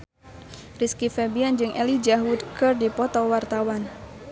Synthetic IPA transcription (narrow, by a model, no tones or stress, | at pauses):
riskifɛbiand͡ʒɨŋʔɛlid͡ʒaɦud̪kɨrdipɔt̪ɔwart̪awan